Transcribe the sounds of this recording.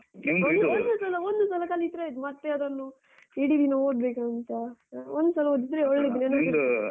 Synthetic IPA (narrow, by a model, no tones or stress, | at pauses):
imɡ̪ond̪usɐlɐond̪usɐlɐkaːlit̪ɾed̪mɐt̪ːeɐd̪ɐnːu | iːɽid̪inɐoːɖ̚beːkɐnt̪ɐond̪usɐlɐod̪id̪ɾeoɭɭid̪inienɐd̪u